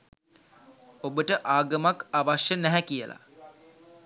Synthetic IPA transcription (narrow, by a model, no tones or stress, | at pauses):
obəʈəʔaːɡəmakaʋaʃjənæɦɛkijəla̰